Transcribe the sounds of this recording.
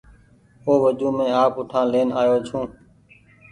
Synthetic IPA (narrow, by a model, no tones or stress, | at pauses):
oːʋəd͡ʒũːmẽːaːpʊʈʰãːleːnaːjoːt͡ʃʰũː